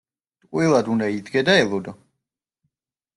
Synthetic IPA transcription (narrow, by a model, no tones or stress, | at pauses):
t̪ʼqʼwilˠad̪und̪aid̪ɡɛd̪aɛlˠɔd̪ɔ